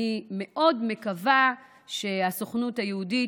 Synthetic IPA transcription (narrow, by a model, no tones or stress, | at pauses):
ime̞ʔo̞dme̞kava | ʃe̞asoχnuthajeudi